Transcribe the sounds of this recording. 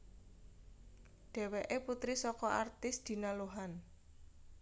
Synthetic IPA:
ɖ̥ɛ̤weʔeput̪ɾisɔkɔʔart̪ɪsd̪̥i̤naluɦan

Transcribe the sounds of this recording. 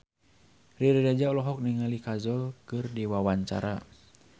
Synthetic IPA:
riɾiɾad͡ʒaulɔɦɔk̚niŋalikazɔlkɨrdiwawaɲt͡ʃa̰ɾa

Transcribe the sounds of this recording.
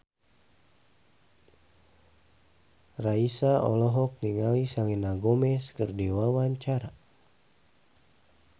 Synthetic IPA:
raisaɔ̰lɔɦɔk̚niŋalisalinaɡɔmɛskɨrdiwawaɲt͡ʃaɾa

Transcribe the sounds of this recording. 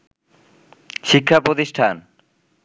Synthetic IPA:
ʃikʰːapɾot̪iʃʈʰan

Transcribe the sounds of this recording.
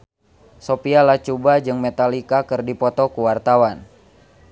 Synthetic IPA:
sopialaht͡ʃubad͡ʒɨŋmɛt̪alikakɨrdipɔt̪ɔkuwart̪awan

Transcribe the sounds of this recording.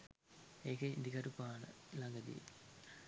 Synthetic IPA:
eːkɐind̪ikɐɾupːaːnɨ̰lɐŋɡɐd̪ḭ

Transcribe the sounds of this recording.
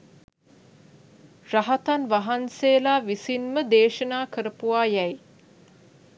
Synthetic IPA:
raɦat̪anʋaɦanseːlaːʋisinməd̪eːʃənaːkəɾəpuʋaːjɛj

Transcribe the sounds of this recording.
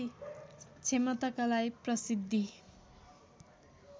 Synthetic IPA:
t͡sʰemʌt̪akalajprʌsid̪ʱːi

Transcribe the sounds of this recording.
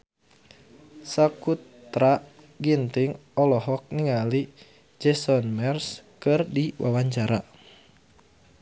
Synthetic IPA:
sakut̪ɾa | ɡint̪ɪŋɔlɔɦɔk̚niŋali | d͡ʒɛsɔnmɛrskɨrdiwʔa̰waɲt͡ʃaɾa

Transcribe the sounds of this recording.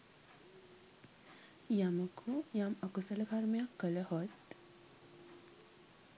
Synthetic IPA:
jaməkʰujaməkusələkʰaɾmjakːələhɔt̪

